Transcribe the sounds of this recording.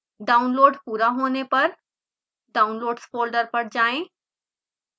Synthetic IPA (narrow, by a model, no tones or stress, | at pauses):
ɖaːʊnloːɖpuːɾaɦoːnepɐɾ | ɖaːʊnloːɖskoːlɖəɾpɐɽd͡ʒaːẽː